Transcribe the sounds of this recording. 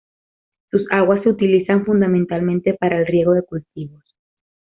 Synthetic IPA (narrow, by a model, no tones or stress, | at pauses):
susaɣwasːeut̪ilisaɱfund̪amẽnt̪almẽnt̪e̞paɾaelrje̞ɣ̞o̞ðe̞kult̪iβo̞s